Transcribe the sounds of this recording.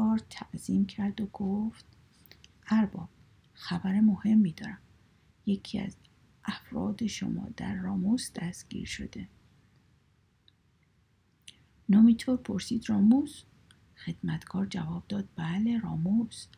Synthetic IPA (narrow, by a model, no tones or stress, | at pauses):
ɒːɾt̪ʰæʔz̥iːmcʰæɾd̪oɡoft̪ | æɾbɒːb̥ | xæbæɾemo̞he̞mːiːd̪ɒːɾæm | jecʰiæ̰z | ʔæfɾɒ̰ːd̪e̞ʃo̰mɒ̰ːd̪̥æ̰ɾːɒːmusd̪̥æst̪ɡ̥ḭːɾʃo̞̰d̪e̞ | nɒːmit̪ʰoːɾpʰo̞ɾsiːd̪rɒːmus | xe̞d̪mæt̪ʰɡɒːɾd͡ʒævɒːb̚d̪ɒːd̪̥̚bæleɾɒːmus